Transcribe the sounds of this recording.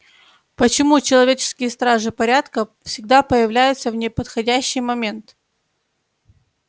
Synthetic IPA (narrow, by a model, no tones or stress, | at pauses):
pət͡ɕɪmut͡ɕɪlˠɐvʲet͡ɕɪ̥skʲɪjəst̪ɾaʐɨpɐɾʲat̪kəfsʲɪɡ̚d̪apəjɪvlʲæjʊt̪səvnʲɪpət̪xɐdʲæɕːɪjmɐmʲe̞nt̪